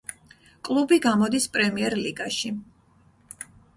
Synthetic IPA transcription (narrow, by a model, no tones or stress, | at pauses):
kʼlˠubiɡamɔd̪ispʼɾɛmiɛɾliɡaʃi